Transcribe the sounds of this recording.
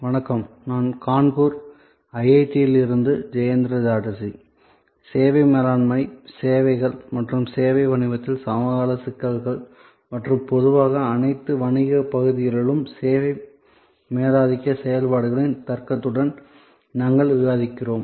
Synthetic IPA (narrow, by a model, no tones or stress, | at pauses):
ʋɐnɐkːɐm | naːnkaːɳkuːɾ | ɐjɐɪt̪ːijɪlɪɾɯnd̪ɯd͡ʒɐjɐnd̪ɾɐd͡ʒaːʈːɐsi | seːʋɐɪmeːlaːnmɐɪseːʋɐɪɣɐɭmɐʈrɯmseːʋɐɪʋɐɳɪʋɐt̪ːɪlsamɐɣaːlɐsɪkːɐɾɣɐɭ | mɐʈrɯmpɔðɯʋaːɣɐːnɐɪt̪ːɯʋɐɳɪɣɐpɐɣɯðɪjɐlɪlɯmseːʋɐɪ | meːðaːðɪkːɐsɛjɐlpaːɽɯɣɐɭɪnt̪ɐɾkɐt̪ːɯɽɐn | naːŋɡɐɭʋɪɣaːðɪkːɪroːm